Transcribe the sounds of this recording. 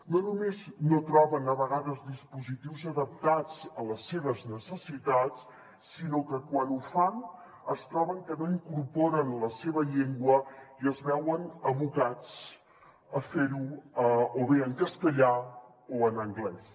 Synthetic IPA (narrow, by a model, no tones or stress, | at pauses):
nonumeznot̪ɾɔβənəβəɣaðəzðispuzit̪iwzəðəp̚t̪ad͡zələsːeβ̞əznəsəsit̪at͡sː | inokəkwanufan | əst̪ɾɔβəŋkənoiŋkurpoɾənləseβəʎeŋɡwəiəzβɛwənəβukat͡s | əfeɾuəoβeəŋkəsk̪əʎa | oənəŋɡlɛs